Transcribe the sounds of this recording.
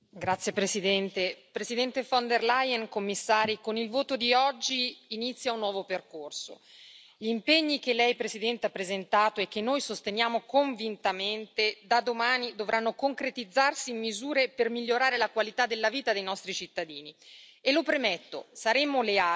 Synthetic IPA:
ɡɾat̪sːjepɾesid̪ɛnt̪epɾesid̪ɛnt̪efɔnd̪erlajɛnkomːisːaːɾikonilvoːt̪od̪iɔd͡ʒːiːnit̪sːjaunːwɔːvoperkorso̰ | ʎimpeɲːikelːɛjpɾesid̪ɛnt̪eapːɾezent̪aːt̪oɛk̟ːenːojsost̪enjaːmokoɱvint̪ament̪ed̪ad̪omaːnid̪ovɾʔanːokoŋkɾet̪id̪zːarsiːmːizuːɾepermiʎːoɾaːɾelakwalit̪ad̪elːaviːt̪ad̪ejnɔst̪ɾit͡ʃit̪ːad̪iːnielopɾemet̪ːo̰saɾeːmolea

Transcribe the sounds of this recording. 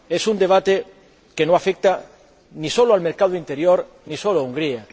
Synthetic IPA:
esund̪eβ̞at̪e | kenõafek̚t̪a | nisoloalmeɾkaðoint̪eɾjoɾ | nisoloauŋɡɾia

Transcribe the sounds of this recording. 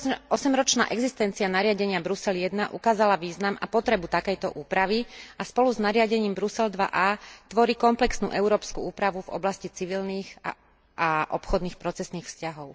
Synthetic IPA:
ɔsɛmɾɔt͡ʃna̰ːʔɛɡzist̪ɛnt͡sianaɾɪaɟɛɲɪabɾusɛljɛd̪naʔukaːzalaʋiːznama̰pɔt̪ɾɛbut̪akɛjt̪ɔʔuːpɾaʋiaspɔluznaɾɪaɟɛɲiːmbɾusɛld̪ʋa̰ʔaːt̪ʋɔɾiːkɔmplɛksnṵːʔɛʊɾɔːpskuuːpɾaʋuvɔ̰blascit͡siʋilniːxa̰ | ʔaʔɔpxɔd̪niːxpɾɔt͡sɛsniːxfscaɦɔʊ

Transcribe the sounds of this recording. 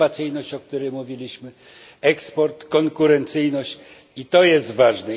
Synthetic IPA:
at̪sɘjnɔɕt͡ɕɔk̚t̪uɾɛjmuvʲilʲiɕmɘ | ɛkspɔɾt̪kɔŋkuɾɛnt̪sɘjnɔɕt͡ɕ | it̪ɔjɛst̪vaʐnɛ

